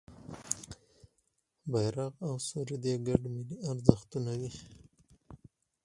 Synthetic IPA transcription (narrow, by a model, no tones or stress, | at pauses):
bajɾaqawsuɾid̪eɡaɖmiliaɾzaxt̪unawi